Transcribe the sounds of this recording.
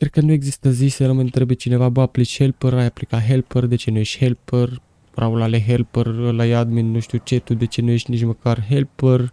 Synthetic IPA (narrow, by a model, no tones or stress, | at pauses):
kɾe̞d̪̚kənue̞ɡzist̪əzisənoməɨnt̪ɾebet͡ʃine̞vaboaplit͡ʃʲhe̞lpəɾajaplikaɦe̞lpərd̪e̞t͡ʃe̞nuje̞ʃt̪ʲhe̞lpər | ɾʔaulaleɦelpərəlajad̪minːuʃt̪iut͡ʃe̞t̪ud̪e̞t͡ʃe̞nuje̞ʃt̪ʲnit͡ʃməkarɦelpər